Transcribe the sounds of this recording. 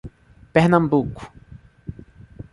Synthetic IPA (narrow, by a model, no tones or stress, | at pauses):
pehnambukʷ